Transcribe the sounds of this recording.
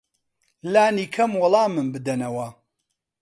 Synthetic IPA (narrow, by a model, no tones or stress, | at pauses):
laːniːkʰɐmwɐlˠɑːmɨnbɨd̪ɐnɐwɐ